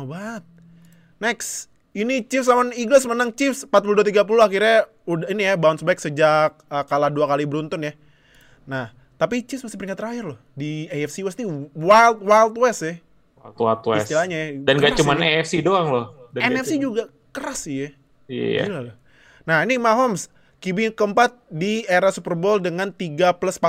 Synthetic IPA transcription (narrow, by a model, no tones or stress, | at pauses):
obaət̪̚ | nɛks | init͡ʃɪfsamaniɡlas̬mənaŋt͡ʃɪfsmpat̪̚puluduat̪iɡap̬uluakirɲa | udinijabaunsbaksəd͡ʒak̚əkaladuakalibəɾunt̪ʊnja | nah | t̪apit͡ʃɪfsmasɪhpəɾiŋat̪ːəɾaɪrlʊhdiaɛfsiwɛsniwalt̪̚walt̪̚wɛsɛ | wat̪walt̪wɛ̰stilaɲajadanɡat͡ʃumaneɛfsidoaŋlohdaɛnɛfid͡ʒuɡa | kəɾasijɛ | ia̰ɡilalo | nahinimaɦɔms | kibikəmpat̪̚dieɾasupərboldəŋant̪iɡaplaspa